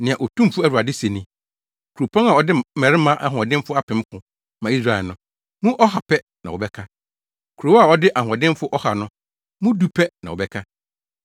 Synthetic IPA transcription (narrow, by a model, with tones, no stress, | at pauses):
nɪ̃˨ã˨ʔo˨tʰũ˦m˨fʊ˦æ˦˨ɾu˨a˨dɪ˦se˨nĩ˦ | kʰu˨ɾo˨pʰɔ̃˦ŋa˨ɔ˨dɪ˦mɛ˨ɾɪ˦mã˦ʔa˨ɦɔ̃˨dɪ̃˦m˦fʊ˦a˦pʰɪ̃˨m˦kʰʊ̃˨ | mã˨i˦s̬ɾa˨ɛ˨nʊ̃˨ | mũ˦ʔɔ˦ɦa˨pʰɛ˦ | nã˨wʊ˨bɛ˦kʰa˦ | kʰu˨ɾo˨˦a˨ɔ˦dɪ˦ʔa˨ɦɔ˨dɪ̃˦m˦fʊ˦ʔɔ˦ha˨nʊ̃˦ | mʊ̃˦du˦pʰɛ˦nã̰˨ɔ˨bɛ˦kʰa˦